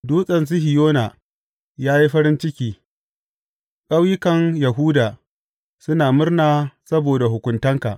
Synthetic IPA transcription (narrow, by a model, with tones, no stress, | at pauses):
duː˦sʼɐ˨ns̬i˦hɪ˨joː˦na̰˨ | jaː˦ji˦ɸɐ˦ɾɪ˦nt͡ʃɪ˦kʲiː˦ | kʼɐ˦wjɪ˦kɐ˨ŋjɐ˨ɦuː˦daː˨ | sʊ˦naː˨mʊ˦rnaː˨sɐ˦boː˨da˨ɦʊ˨kʷʊ˨ntɐ˦ŋka̰˨ʔ